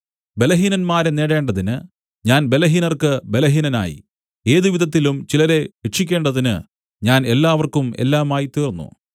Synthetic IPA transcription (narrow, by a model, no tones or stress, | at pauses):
be̞lɐɦiːnɐnmaːɾeneːɽe̞ːɳɖɐðinɨ | ɲaːnbe̞lɐɦiːnɐrkɨbe̞lɐɦiːnɐna̰ːjḭ | e̞ːðiʋiðɐt̪ːilumt͡ɕilɐɾe̞ʋeʈʂikʲːe̞ːɳɖɐðinɨ | ɲaːne̞lːaːʋɐrkumḛlːaːmaːjit̪iːrnːṵ